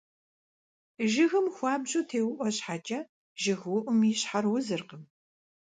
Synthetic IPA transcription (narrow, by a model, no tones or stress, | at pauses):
ʒɪɣɨmxʷɑːbʑʼutʰeːwʊʔʷɔɕħaːt͡ʃʼɐ | ʒɪɣwʊʔʷʊmiːɕħarwʊzɨrqəm